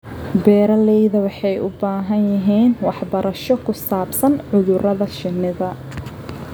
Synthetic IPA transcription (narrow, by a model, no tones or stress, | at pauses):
bɛːɾɐlɛjðɐwɑħɑjʊbaːɦɐnjɐɦiːnwɑħbɐɾʔɐʃɔkʰʊsaːbsɐnʕʊðʊɾɐðɐʃɪnːɪðɐ